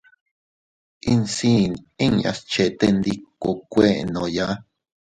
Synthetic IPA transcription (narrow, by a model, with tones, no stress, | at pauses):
i˧nsi˦˧ni˦ŋa̰˧st͡ʃe˧t̪e˧nd̪i˧ko˧kʷe˦ʔnõ˨ja˦